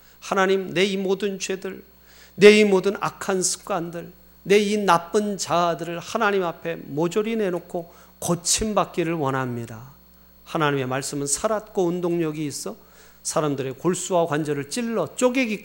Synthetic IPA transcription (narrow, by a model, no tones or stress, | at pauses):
hanaɲimne̞imodɯnt͡ɕwedɯɭ | ne̞imodɯna̰kʰansʰɯ̥k͈andɯɭ | ne̞inap͈ɯnt͡ɕadɯɾɯɭhanaɲimapʰe̞mod͡ʑoɾine̞nokʰo | kʌt͡ɕʰimbak̚k͈iɾɯɭwʌnɦamɲida | hanaɲime̞maɭs͈ɯmɯnsʰaɾat̚k͈oundoŋɲʌɡiːs͈ʰʌ | sʰaɾamdɯɾe̞koɭs͈uwakwand͡ʑʌɾɯɭt͡ɕ͈iɭːʌt͡ɕ͈oɡeɡik͈